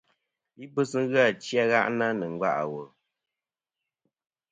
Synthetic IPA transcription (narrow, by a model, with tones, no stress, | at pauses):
i˦bɨ˦sɨ˦ŋ̩˦ɣɨ˦a˦˨t͡ʃja˦ɣa˦ʔna˦nɨ˨ŋ˦ɡa̰˦˨ʔa̰˨wo˨